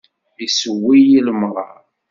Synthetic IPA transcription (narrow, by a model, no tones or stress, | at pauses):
isəwːijiləmɾˤɑ̰